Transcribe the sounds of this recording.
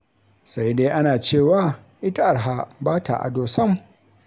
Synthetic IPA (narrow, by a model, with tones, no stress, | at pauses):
sa˦jdeː˦ʔa˦naː˨t͡ʃeː˦˨waː˦˨ | ʔɪ˦ta˦ʔa˨ɾɦa˦baː˦tʰa̰˨ʔa̰˨doː˨sɐ˦m